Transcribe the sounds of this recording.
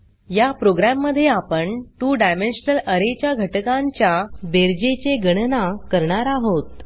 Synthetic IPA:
japɾoɡɾamːəd̪ʱːjeapəɳt̪uːɖajmenɕnələɾet͡ɕjaɡʱəʈkãɲt͡ɕjabeɾd͡ʑet͡ɕeɡəɽnakəɾɳaɾaɦot̪

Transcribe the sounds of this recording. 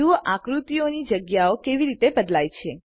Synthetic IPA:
uʋəʔakɾut̪ionid͡ʒəɡjaokeʋiɾit̪ebəd̪lajt͡ʃʰe

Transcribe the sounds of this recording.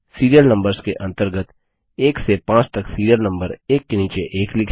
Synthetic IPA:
siːɾijəlnɐ̃mbəɾskeʔɐ̃nt̪əɾɡət̪ | eːksepãːt͡ʃt̪ɐksiːɾijəlnɐ̃mbəɾeːkːeniːt͡ʃeʔeːklɪkʰ

